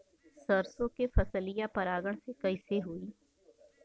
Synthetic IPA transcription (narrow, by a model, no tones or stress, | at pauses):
səɾsõːkepʰəsəlɪjaːpəɾaːɡəɽ̃sekəɪseːɦoiː